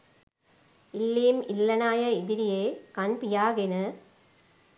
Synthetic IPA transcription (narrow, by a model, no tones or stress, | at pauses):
ɪlːiːmɪlːɐnaːjɐɪðɪɾɪjeːkɐnpɪjaːɣɪnɯ